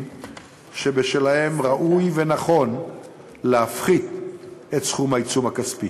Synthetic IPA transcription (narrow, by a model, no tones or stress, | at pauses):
ʃebeʃelahe̞mʁaʔujve̞naχo̞n | leafχid̪e̞tsχumait͡sumhakaspi